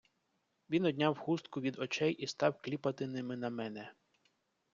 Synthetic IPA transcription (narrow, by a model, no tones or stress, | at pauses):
ʋʲinɔdʲnʲɑwhust̪̚kʊʋʲid̪ɔt͡ʃɛjʔist̪ɑwklʲipɐt̪ɪnɪmɪnɐmɛnɛ